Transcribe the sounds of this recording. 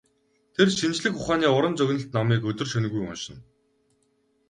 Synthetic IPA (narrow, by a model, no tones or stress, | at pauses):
t̪ʰerʃint͡ɕɮɘ̆kʊχaːniːʊɾə̆nt͡sɵɣʲnə̆ɬt̪nɔmiːkɵt̪ɵ̆rʃœn̆ɣujʊ̰nʃɪ̆n